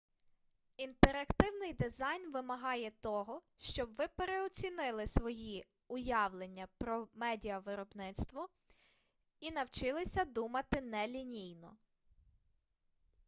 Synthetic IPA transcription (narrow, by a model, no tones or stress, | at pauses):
int̪eɾɐkt̪ɪwnɪjd̪ɪzɑjnʋɪmɐɦɑjɛt̪ɔɦɔʃt͡ʃɔbʋɪpeɾeɔt͡sʲinɪlˠɪsʋɔji | ʊjɑwlˠenʲːɐpɾɔmɛdʲiɐʋɪɾɔbnɪt̪st̪ʋɔ | inɐwt͡ʃɪlˠɪsʲɐd̪umɐt̪ɪnɛlʲinʲijnɔ